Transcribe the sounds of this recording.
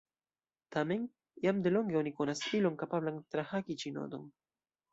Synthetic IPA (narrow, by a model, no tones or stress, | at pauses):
t̪amen | jamd̪elo̞ŋɡeonikonasiloŋkapablaŋt̪ɾahakit͡ʃino̰d̪o̰ŋ